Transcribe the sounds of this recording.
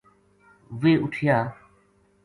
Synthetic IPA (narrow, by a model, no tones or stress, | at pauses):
ʋeːʔʊʈʰjaː